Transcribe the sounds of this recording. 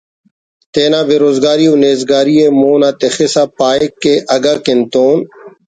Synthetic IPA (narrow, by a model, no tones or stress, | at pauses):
t̪eːnãːbeːɾoːzɡaːɾiːuneːzɡaːɾiːeːmoːnaːt̪exesaːpaːekːeːʔɐɡaːkɪnt̪oːn